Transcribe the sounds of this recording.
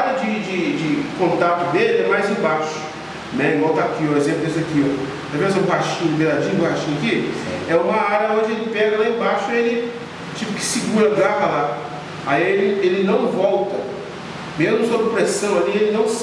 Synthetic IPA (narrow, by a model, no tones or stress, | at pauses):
aɾɐd͡ʒɪd͡ʒɪd͡ʒɪkõnt̪at̪ʊd̪elɪɛmajzẽbaʃʊ̥ | nɛĩɡɔwt̪akioezẽplʊd̪isakio | ẽvẽzɛ̃ũhaʃĩɲʊd̪ʊmbelad͡ʒĩɲũhaʃĩɲakĩɛũmɐaɾɐõd͡ʒɪelɪpɛɡɐlaẽbaʃʊelɪ | t͡ʃipʊ̥kɪ̥sɪɡuɾɐɡɾavɐla | aielɪelɪnɐ̃w̃vɔwt̪ɐ | mezmʊsobɾɪpɾesɐ̃w̃alielɪnɐ̃w̃s